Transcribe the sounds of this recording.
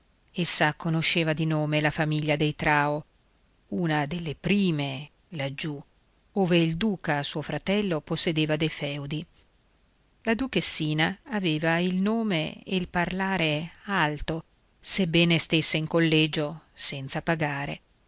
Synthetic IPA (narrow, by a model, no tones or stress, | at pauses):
esːakonoʃːeːvad̪inoːmelafamiʎːad̪ejt̪ɾaːo | uːnad̪elːepɾiːme | lad͡ʒːu | oːveild̪uːkasuːofɾat̪ɛlːoposːed̪eːvad̪ejfɛwd̪i | lad̪ukesːiːnaːveːvailnoːmḛḛilparlaːɾealt̪o | sebːɛːnest̪esːeiŋkolːɛːd͡ʒosɛnt̪sapaɡaːɾḛ